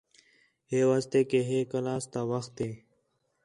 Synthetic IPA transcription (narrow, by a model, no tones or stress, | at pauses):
heːʋaːst̪eːkeːɦeːkəlaːst̪aːʋəxt̪eː